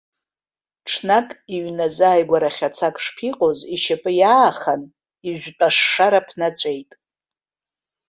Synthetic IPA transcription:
ʈ͡ʂʰnakʼiɥnazaːjɡʷaɾaχʲat͡sʰakʼʂpʰiqʼoziʃapʼɨjaːχan | iʒᶣʷpʼaʂːaɾapʰnat͡sʷʼe̞jtʼ

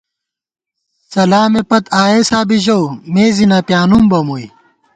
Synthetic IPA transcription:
sɐlaːmepɐt̪aːeːsaːbiʑowmeːzinapjaːnumbɐmui

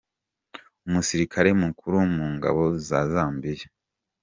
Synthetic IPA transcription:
umusiɾikʰaɾe̞mukʰuɾumuːŋɡa̰βo̞zazaːmbije

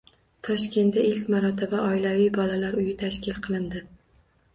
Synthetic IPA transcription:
t̪ʰɒʃkʲʰe̞nt̪aɪlkʲmaɾɒt̪ʰɪbaʔɒɪlavijbɒlalaɾʊjɪt̪ʰaʃkʲɪlˠqʰɨlˠɪnd̪ɪ

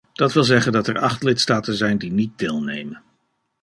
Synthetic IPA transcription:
d̥ɑtʋɪlˠzɛχəndɑtɛɹɑχtlɪtstaːtənzɛjndinit̚dɪːlˠnejmən

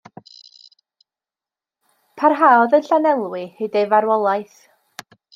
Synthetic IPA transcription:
pʰarɦaːɔðənɬanɛlˠwɪhedevaɾwɔlˠajθ

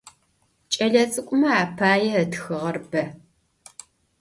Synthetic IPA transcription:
t͡ʃʼɐɮɐt͡sʼɨkʷʼʊmɐaːpʰaːjɛːtxɨʁɐrbɐ

